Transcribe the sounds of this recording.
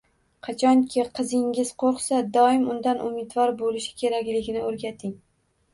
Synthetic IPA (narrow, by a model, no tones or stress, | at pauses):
qʰɑt͡ʃʰɒŋkʲʰɪqʰɨzɪŋʲɪz̥qʰoɾqsad̪ɒɪmʊnd̪anʔʊmɪd̪vɒɾbolɪʃɪ̥kʲʰe̞ɾakʲlɪɡʲɪnɪoɾɡʲat̪ʰɪŋ